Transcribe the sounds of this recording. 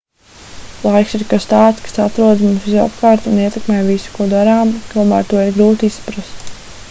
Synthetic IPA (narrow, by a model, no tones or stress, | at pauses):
lˠajksiɾkast̪aːt̪skḁsat̪ɾuɔd̪zmumsʋiza̰pkaːɾt̪uniɛt̪ɛkmɛjvisu̥kuɔd̪aɾaːmt̪uɔma̰ːɾt̪uɔɛɾɡɾuːt̪isːḁpɾast̪